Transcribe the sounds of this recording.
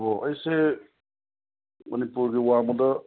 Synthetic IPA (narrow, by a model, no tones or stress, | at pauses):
bɔʌjse | mʌnipuɾɡiwamud̪ʌ